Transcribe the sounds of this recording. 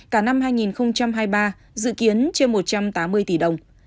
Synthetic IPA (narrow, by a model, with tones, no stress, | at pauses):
kaː˧˩na˧mhaː˧jŋi˨˩nxə˧wŋ͡mt͡ɕa˧mɦaː˧jɓaː˧ | zɨ̰˧˨ki˨˦ənt͡ɕe˧nmo˨˩t̚t͡ɕa˧mt̪aː˨˦mːɨ˧əjt̪i˧˩ɗə˨˩wŋ͡m